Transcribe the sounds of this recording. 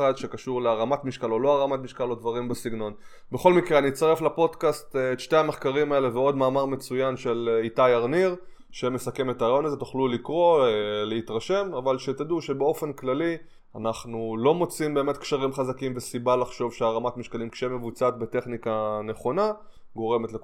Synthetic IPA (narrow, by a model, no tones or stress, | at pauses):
ad̪ʃe̞kaʃuʁleaʁamatmiʃkalo̞lo̞aʁamatmiʃkalo̞dvaʁimbesiɡno̞n | beχo̞lmikʁeanitst̪aʁeflapo̞d̪kast̪etʃte̞ame̞χkaʁimae̞le̞veo̞dmaːmaʁme̞t͡sujanʃe̞litajaʁniʁ | ʃeme̞sakeme̞taʁajo̞nazet̪u̥χlulikʁo̞leit̪ʁaʃe̞mavalʃet̪ad̪uʃe̞beo̞fe̞nklali | anaχnulo̞mo̞t͡simbe̞ːme̞t̪kʃaʁimχazakimve̞sibalaχʃo̞vʃeaʁamatmiʃkalimkʃeeme̞vut͡sat̪̚bete̞χnikane̞χo̞na | ɡo̞ʁe̞metlek